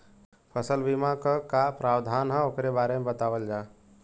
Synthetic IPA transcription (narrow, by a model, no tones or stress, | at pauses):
pʰəsəlbimãkəkapɾaːwd̪ʱaːnɦə̃okɾebaːɾemebət̪aːʋəld͡ʒaː